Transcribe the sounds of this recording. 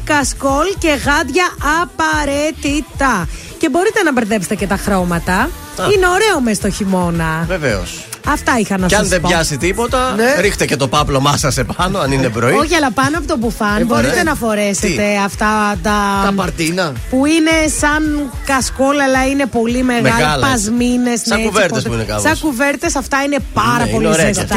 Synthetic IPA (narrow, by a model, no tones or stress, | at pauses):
kɐsko̞lce̞ɣɐd̪ʝɐɐpɐɾet̪it̪ɐ | ce̞bo̞ɾit̪e̞nɐbeɾðe̞pset̪ecet̪ɐxɾo̞mɐt̪ɐ | ineo̞ɾe̞o̞mest̪o̞çimo̞nɐvevḛo̰s | ɐft̪ɐixɐnɐsɐnðebʝɐsit̪ipo̞t̪ɐneɾixt̪ece̞t̪o̞pɐplo̞mɐsɐsepɐnoɐninebɾoioçiɐlɐpɐnoɐpot̪op̬ufɐnboɾit̪enɐfo̞ɾe̞set̪e̞ɐft̪ɐt̪ɐɐpɐɾt̪inɐ | puine̞sɐn | kɐsko̞lelɐine̞po̞limeɣmɐɣɐlpɐzmine̞smɐuveɾt̪espuinekɐ̰sɐkuve̞ɾt̪e̞sɐft̪ɐinepɐɾɐpo̞liest̪